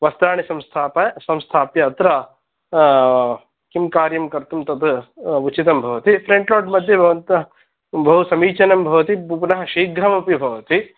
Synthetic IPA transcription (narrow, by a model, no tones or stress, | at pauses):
ʋɐst̪ɾaːɳisɐmst̪ʰaːpɐsɐmst̪ʰaːpjɐːt̪ɾɐ | kimkaːɾjɐmkɐɾt̪umt̪ɐt̪ut͡ʃit̪ɐmbʱɐʋɐt̪ipʰɾeɳʈloːɖmɐd̪ʱjɐbʱɐʋɐnt̪ɐ | bʱɐɦusɐmiːt͡ʃɐnɐmbʱɐʋɐt̪ibupnɐɦɐʃiːɡɾɐmɐpibʱɐʋɐt̪i